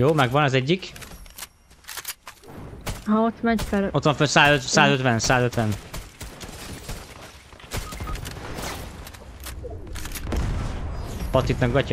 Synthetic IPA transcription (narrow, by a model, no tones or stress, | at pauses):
joːmɛɡʋɒnɒzɛɟːik | ɦɒot̪mɛɲfɛlot̪ʋɒɱfønsaːzøt̪saːzøt̪ʋɛnsaːzøt̪ʋɛn | pɒt̪it̪nɒkɡɒcː